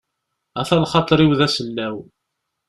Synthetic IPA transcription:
æθælχɑt̪ˤɾˤiwðæsənːæw

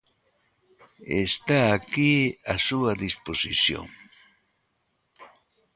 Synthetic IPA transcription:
ḛst̪aːkiasuɐðisposiθjo̰ŋ

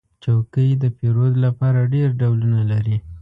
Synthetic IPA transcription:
t͡ʃawkəjd̪əpeɾod̪lapɑɾaɖeɾɖawlunalaɾi

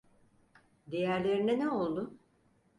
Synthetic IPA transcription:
d̪e̞jæɾlʲe̞ɾinɛnɛo̞lˠd̪ʊ

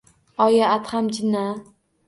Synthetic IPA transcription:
ɒjaːt̪hamd͡ʒɪnːa

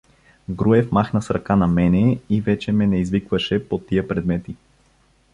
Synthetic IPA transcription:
ɡɾuɛfmaxnəsɾɐkanɐmɛnɛivɛt͡ʃɛmɛnɛizvikvəʃɛpot̪ːijəpɾɛd̪mɛt̪i

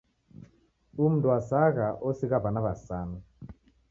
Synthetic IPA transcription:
um̩duasaɣaʔɔsiɣaβanaβasanu

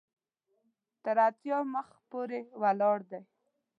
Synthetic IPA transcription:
t̪əɾat̪jɑməxpoɾewalɑɽd̪aj

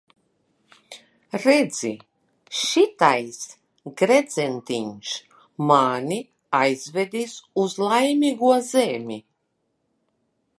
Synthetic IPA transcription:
ɾɛd̪z̥i | ʃit̪ajs | ɡɾɛd̪zent̪iɲʃ | maːnʲi | ajzvɛd̪ʲisuzlˠajmʲiɡuɔzeːmʲi

